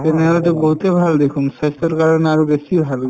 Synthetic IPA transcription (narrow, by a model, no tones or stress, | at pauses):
enɛalat̪eboɦut̪ebʱald̪ekʰumsajsɔɹkaɹɔneaɹubesibʱal